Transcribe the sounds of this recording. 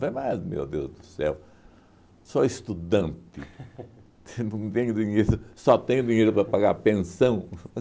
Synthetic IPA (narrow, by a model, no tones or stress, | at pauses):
vajmajzmḛwd̪ewzd̪ʊsɛ̰w | soist̪ud̪ɐ̃nt̪ɪ | t̪ẽj̃ʊd̪iɲejɾʊsɔt̪ẽjʊd̪iɲejɾʊpɾɐpaɡaɾpẽsɐ̃w̃